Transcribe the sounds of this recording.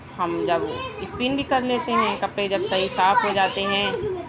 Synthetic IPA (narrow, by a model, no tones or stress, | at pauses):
hɐmd͡ʒɐbɪspiːnbʱikɐɾleːt̪eɦɛ̃kɐpɽed͡ʒɐbsɐɦisaːfɦod͡ʒaːt̪eɦɛ̃ː